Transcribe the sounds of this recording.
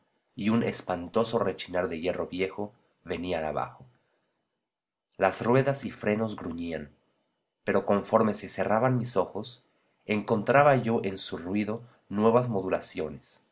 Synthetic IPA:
iunespant̪o̞so̞ret͡ʃinaɾðeʝe̞ro̞βje̞xo̞ | βe̞niaa̰βa̰xo | lasrwe̞ðasifɾe̞no̞zɣɾuɲian | pe̞ɾo̞ko̞ɱfo̞ɾme̞se̞se̞rʔaβanmiso̞xo̞s | e̞ŋko̞nt̪ɾaβaʝo̞ʔensurwiðo̞ | nwe̞βazmo̞ðulasjo̞nes

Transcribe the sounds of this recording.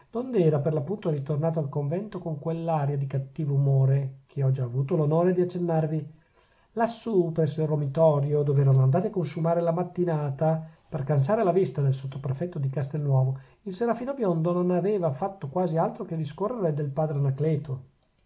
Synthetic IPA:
d̪̥ond̪eɛːɾaperlapːunt̪oɾit̪ornaːt̪oalkoɱvɛnt̪okoŋkwelːaːɾjad̪ikat̪ːiːvoumoːɾekʰeɔd͡ʒaːvuːt̪olonoːɾed̪iat͡ʃːenːarvi | lasːupɾɛsːoirːomit̪ɔɾjod̪ovɛːvanoand̪aːt̪iakːonsumaːɾelamat̪ːinaːt̪aperkans̬aːɾelavist̪ad̪elsot̪ːopɾefɛt̪ːod̪ikast̪elnwɔːvo | ilseɾafiːnobjond̪ononaveːvafat̪ːokwaːzialt̪ɾoked̪ːiskorːeɾed̪elpaːd̪ɾenaklɛːt̪o

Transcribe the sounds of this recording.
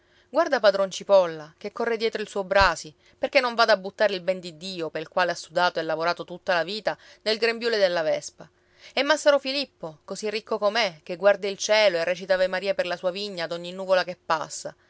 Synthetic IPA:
ɡward̪apad̪ɾont͡ʃipɔlːakekːɔrːed̪jɛːt̪ɾoilsuːobɾaːsi | perkenːoɱvad̪abut̪ːaːɾeilbɛnd̪id̪iːopeɾilkwaːleasːud̪aːt̪oɛlːavoɾaːt̪ot̪ut̪ːalaviːt̪a | d̪elɡɾembjuːled̪elːavɛspa | ɛmːasːaɾofilipːokosirːikːokomek̟eɡward̪ailt͡ʃɛːloerːɛt͡ʃit̪avemaɾiːaperlasuːaviɲːaːd̪oɲːinːuːvolakepːa̰sːa̰

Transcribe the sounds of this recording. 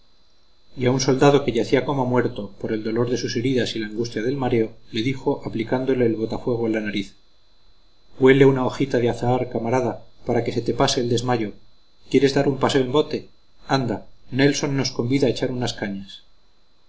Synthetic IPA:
iaunso̞ld̪aðo̞ke̞ʝaθiako̞mamwe̞ɾt̪o̞poɾe̞ld̪o̞lo̞ɾðe̞suse̞ɾiðasilaːŋɡust̪jaðe̞lmaɾe̞o̞le̞ðixo̞ʔaplikand̪o̞le̞ːlβo̞t̪afweɣ̞oelanaɾiθ | we̞le̞unao̞xit̪aðeaθaaɾkamaɾaðapaɾake̞se̞t̪e̞pase̞ːld̪e̞zmaʝo̞ | kje̞ɾe̞zðaɾumpaseoembo̞t̪e̞ | and̪ane̞lso̞nːo̞sko̞mbiðaet͡ʃaɾunaskaɲas

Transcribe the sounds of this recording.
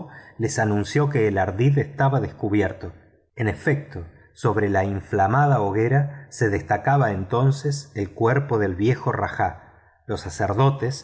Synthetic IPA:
lesanũnsjo̞keːlaɾðiðest̪aβaðeskuβjeɾt̪o̞ | ene̞fek̚t̪o̞ | so̞β̞ɾe̞laiɱflamaðaoɣeɾase̞ðest̪akaβaent̪o̞nseselkweɾpo̞ðe̞lβje̞xora̰xa | lo̞sːaseɾðo̞t̪es

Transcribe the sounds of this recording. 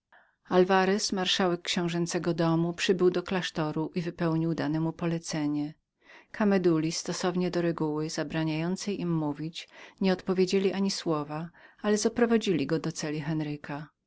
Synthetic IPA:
alvaɾɛsmaɾʂawɛkːɕɛ̃w̃ʐɛnt̪sɛɡɔd̪ɔmupʂɘbɘwd̪ɔklaʂt̪ɔɾuʔivɘpɛwɲiwd̪anɛmupɔlɛt̪sɛɲɛ | kʰamɛd̪ulʲist̪ɔsɔvɲɛd̪ɔɾɛɡuwɘzabɾaɲajɔnt̪sɛjimːuvʲit͡ɕɲɛɔt̪pɔvʲjed͡ʑelʲiʔaɲiswɔvaalɛzɔpɾɔvad͡ʑilʲiɡɔd̪ɔt̪sɛlʲixɛnɾɘka

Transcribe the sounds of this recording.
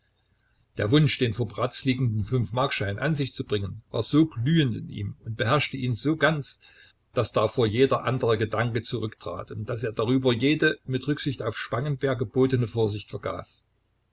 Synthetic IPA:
d̥eːɐvʊnʃd̥eːnfoːɐbʁat͡sliːɡŋ̩dn̩fʏnfmaɐkʃaɪnʔa̰nzɪçt͡subʁɪŋənva̰ːɐzoːɡlyːəntɪ̰nʔḭːmʊnt̚b̥əhɛɐʃtəʔiːnzoːɡant͡s | d̥asd̥aːfoːɐjeːdɐʔandəʁəɡədaŋkət͡suʁʏktʁ̥a̰ːtʊnt̚d̥aseːɐd̥aʁyːbɐjeːdəmɪtʁʏkz̥ɪçtaʊfʃpaŋənbeːɐɡəb̥oːtənəfoːɐzɪçtfɛɐɡa̰ːs

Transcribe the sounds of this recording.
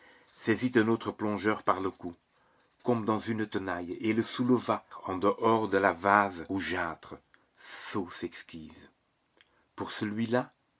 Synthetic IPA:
sɛzit̪ɛ̃noːt̪χəplɔ̃ʒœʁpaʁləku | kɔmd̪ɑ̃zynt̪ənajeləsuləvaɑ̃d̪əʔɔːʁd̪əlavazoʒaːt̪χə | sosɛkskʲiːz | puʁsəlɥila

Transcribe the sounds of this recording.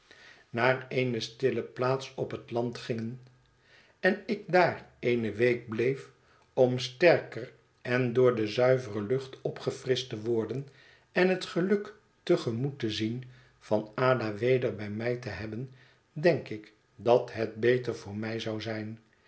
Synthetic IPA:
naːreɪjnəstɪləplaːtsɔpɦətlɑntχɪŋən | ɛnɪk̚daːrejnəʋejk̚blejf | ɔmstɛɹkər | ɛndʊːɹdəzœɥvərəlɵχtɔpχəfrɪstəʋɔɹdən | ɛnɦətχəlɵk | təχəmutəzin | fɑnaːdaʋejdəɹbɛjmɛjtəɦɛbən | dɛŋkɪk | dɑtɦɛt̚bejtəɹvʊːɹmɛjzɑwzɛjn

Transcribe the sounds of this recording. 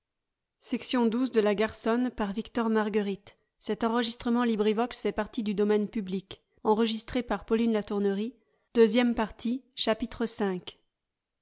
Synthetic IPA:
sɛksjɔ̃d̪uzd̪əlaɡaʁsɔnpaʁvikt̪ɔʁmaʁɡəʁit̪ | sɛt̪ɑ̃ʁəʒist̪χəmɑ̃libʁivɔksfɛpaʁt̪id̪yd̪ɔmɛnpyblik | ɑ̃ʁəʒist̪χepaʁpɔlinlat̪uʁnəʁi | d̪̥øzjɛmpaʁt̪iʃapit̪χəsɛ̃k

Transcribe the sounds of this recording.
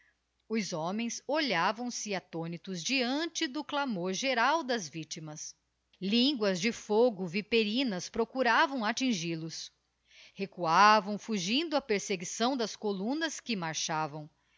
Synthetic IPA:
ʊzɔ̃mẽj̃soʎavɐ̃w̃sɪat̪õnit̪ʊzd͡ʒiɐ̃nt͡ʃɪd̪ʊklamoɾʒeɾawd̪ɐzvit͡ʃimɐs | lĩŋɡwɐzd͡ʒɪfoɡʊvipeɾĩnɐspɾokuɾavɐ̃w̃at͡ʃĩʒilʊs | hekuavɐ̃w̃fuʒĩnd̪ʊɐpeɾseɡisɐ̃w̃d̪ɐskolũnɐskɪmaɾʃavɐ̃w̃

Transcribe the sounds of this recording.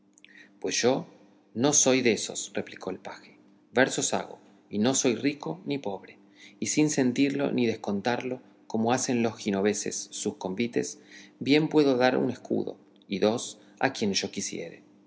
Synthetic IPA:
pwesʒ̥o̞ | no̞so̞jðeso̞̰sre̞plikʰo̞elpaxe̥ | beɾsosa̰ɣo̞̰ | ino̞so̞jriko̞nipo̞βɾe | isinse̞nt̪iɾlo̞̰niðehko̞nt̪aɾlo̞ | ko̞mo̞ase̞nlo̞sxino̞β̞ese̞̰sːusko̞mbit̪e̞sbje̞mpwe̞ðo̞ðaɾṵne̞skṵðo̞̰ | iðo̞s | a̰kje̞nʒo̞kisje̞̰ɾḛ

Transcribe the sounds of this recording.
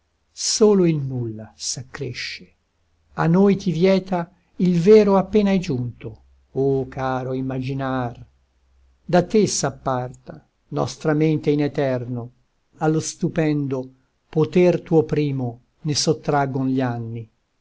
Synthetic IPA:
soːloilnulːasakːɾeʃːe̥ | a̰nːojt̪ivjɛːt̪a | ilvɛːɾoapːeːnajd͡ʒunt̪o | okaːɾoimːad͡ʒinar | d̪at̪esapːart̪a | nɔ̰st̪ɾament̪einɛt̪ɛrno | alːost̪upɛnd̪o | pot̪ɛrt̪uːopɾiːmo | nesot̪ːɾaɡonʎianːi

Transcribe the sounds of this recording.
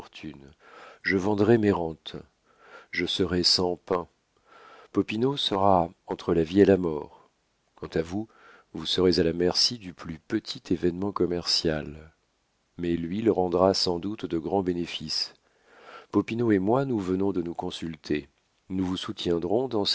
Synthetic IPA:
t̪ʰyn | ʒəvɑ̃d̪ʁɛmeʁɑ̃t̪ | ʒəsəʁɛsɑ̃pɛ̃ | pɔpinosəʁaɑ̃t̪χəlavielamɔːʁ | kɑ̃t̪avu | vusəʁezalamɛʁsid̪yplypət̪ʰit̪ʰevɛnmɑ̃kɔmɛʁsjal | mɛlɥiləʁɑ̃d̪ʁasɑ̃d̪ut̪d̪əɡʁɑ̃benefis | pɔpinoemwanuvənɔ̃d̪ənukɔ̃sylt̪ʰe | nuvusut̪jɛ̃d̪ʁɔ̃d̪ɑ̃s

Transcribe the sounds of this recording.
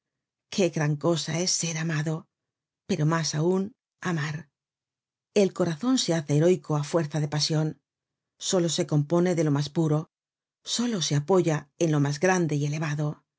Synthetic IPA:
kʰe̞ɣɾaŋko̞sae̞sːe̞ɾamaðo̞ | pe̞ɾo̞masaun | amaɾ | e̞lko̞ɾaθo̞nse̞aθeːɾo̞jko̞afwe̞ɾθaðe̞pasjo̞n | so̞lo̞se̞ko̞mpo̞ne̞ðe̞lo̞maspuɾo̞ | so̞lo̞se̞apo̞ʝae̞nlo̞mazɣɾand̪e̞ie̞le̞β̞aðo̞

